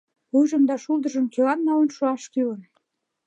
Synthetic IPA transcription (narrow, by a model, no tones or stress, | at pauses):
ujʒə̆md̪ɑʃulˠd̪ə̆ʒə̆mkelɑnːɑwənʃuɑʃkylə̆n